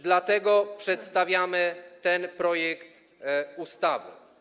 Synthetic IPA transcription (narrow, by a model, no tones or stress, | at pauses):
d̪lat̪ɛɡɔpʂɛt̪st̪avʲjamɘt̪ɛnpɾɔjɛkt̪ | ust̪avɨ̰